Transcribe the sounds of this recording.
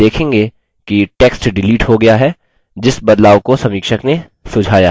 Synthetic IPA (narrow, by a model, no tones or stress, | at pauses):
eːkʰẽːŋɡeː | kiʈeːksʈɖɪliːʈɦoɡɐjaɦɛ | d͡ʒɪsbɐd̪laːʋkosɐ̃miːkʃəkne | sʊd͡ʒʱaːjaː